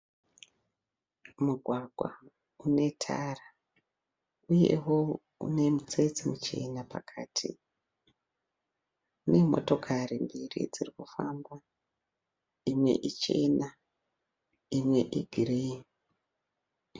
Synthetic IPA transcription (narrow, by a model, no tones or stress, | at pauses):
muɡʱwaɡʱwa̰ | une̞tʰara | uje̞̰wo̞ | ṵne̞mut͡se̞t͡simut͡ʃe̞napa̰kʰaːtʰḭ | une̞mo̞̰to̞kʰarimbirḭd͡zirikufamba | imwe̞̰ʔit͡ʃe̞na | imwe̞ʔiɡʱire